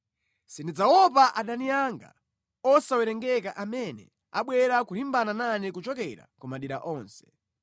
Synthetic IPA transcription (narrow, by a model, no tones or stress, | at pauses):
sindid͡zawɔpaʔaɗanijaŋɡa̰ | ɔsawɛɾɛŋɡɛkaʔamɛnɛ̰ | a̰ɓwɛɾakuɾimbanananɛkut͡ʃɔkɛɾa̰kumaɗiɾaʔɔːnsɛ̥